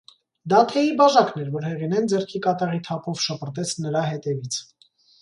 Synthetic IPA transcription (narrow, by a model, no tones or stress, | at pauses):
d̪ɑt̪ʰɛjibɑʒɑknɛɾvɔɾhɛʁinɛnd͡zɛrkʰikɑt̪ɑʁit̪ʰɑpʰɔvʃəpʰəɾt̪ɛt͡sʰnəɾɑɦɛt̪ɛvit͡sʰ